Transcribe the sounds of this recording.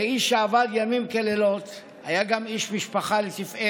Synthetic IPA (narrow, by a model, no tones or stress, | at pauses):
eiʃːeavad̪jamimkelelo̞t̪ | hajaɡamiʃmiʃpaχalet̪ife